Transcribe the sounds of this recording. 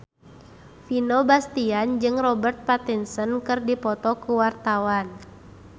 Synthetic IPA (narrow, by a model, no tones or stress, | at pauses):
finɔbast̪iand͡ʒɨŋrɔbərt̪̚pat̪insɔnkɨrdipɔt̪ɔkuwart̪awan